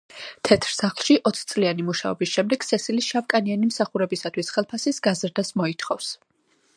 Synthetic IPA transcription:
t̪ʰɛt̪ʰɾsaχlˠʃiʔɔt̪sʰt̪sʼlianimuʃa̰ɔbisʃɛmd̪ɛɡ̥sɛsilisʃavkʼanianimsaχuɾɛbisat̪ʰwisχɛlˠpʰasisɡazɾd̪asmɔit̪ʰχɔfs

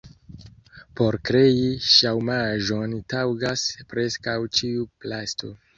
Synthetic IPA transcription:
po̞ɾkɾe̞iʃawmaʒo̞ntawɡaspɾe̞skawt͡ʃiuplasto̞̰

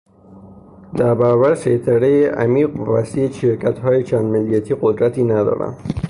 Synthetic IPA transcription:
d̪æɾbabæɾset̪ʰæɾejeʔæ̰miːqvæsiːeʃeɾkʰæt̪hɒːjet͡ʃʰænd̪mɪlːijæt̪ʰiːqod̪ɾæt̪inæd̪ɒ̰ːɾæ̰n

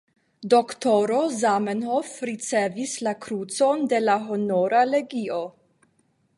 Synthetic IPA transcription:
doktoɾozamenhofɾit͡se̞vislakɾut͡so̞nde̞laɦono̞ɾale̞ɡio

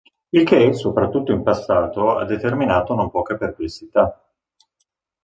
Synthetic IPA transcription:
ilk̟esopɾat̪ːut̪ːoimpasːaːt̪oa̰d̪ːet̪erminaːt̪onompɔːkeperplesːit̪a

